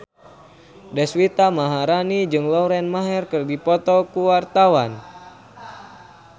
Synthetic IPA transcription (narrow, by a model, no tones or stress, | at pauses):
dɛswit̪amaɦaɾanid͡ʒɨŋlɔɾɛnmaɦɛrkɨrdipɔt̪ɔkuwart̪awan